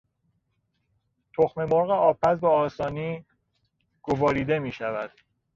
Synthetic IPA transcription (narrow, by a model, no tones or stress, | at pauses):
t̪ʰoxme̞moɾɣeʔɒːb̚pːæsbɒɒːsɒːniː | ɡ̥ovɒːɾiːd̪e̞miːʃævæd̪̥